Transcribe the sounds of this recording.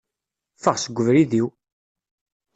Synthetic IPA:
fəʁsəɡʷːəvɾiðiw

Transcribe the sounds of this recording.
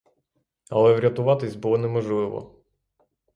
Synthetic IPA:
ɐ̰lˠɛʋɾʲɐt̪ʊʋɑt̪ɪsʲbʊlˠɔnɛmɔʒlˠɪʋɔ̰

